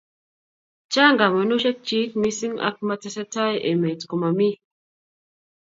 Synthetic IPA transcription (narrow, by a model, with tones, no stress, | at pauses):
t͡ʃa˦ŋɡa˨mɔ˨nu˦ʃɛ˦k̚t͡ʃi˦t̚mi˦si˦ŋa̰˦k̚ma˦tɛ˦sɛ˦ta˦jḛ˨me˨tko˨ma˨mi˦